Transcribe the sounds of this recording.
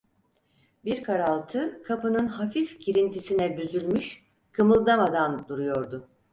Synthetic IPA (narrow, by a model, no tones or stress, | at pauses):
biɾkʰaɾalˠt̪ʰɯkʰapɯnɯnhafifɟiɾint̪ʰisinɛbyzylʲmyʃ | kʰɯmɯlˠd̪amad̪and̪uɾujo̞ɾd̪ʊ